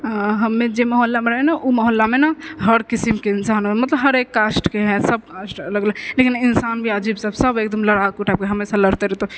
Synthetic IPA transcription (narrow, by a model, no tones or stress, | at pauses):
ɦəmːẽd͡ʒeməɦolːameɾəɦɛnaʔuməɦolːamenəɦəɾkisimkeinsanomət̪ləbɦəɾekːasʈkeɦɛ̃səb̚kasʈələɡləɡlekininsaːnbʱiad͡ʒibsəbsəbekd̪əmləɽakuʈʰab̚keɦəmesãləɽt̪eɾɛt̪o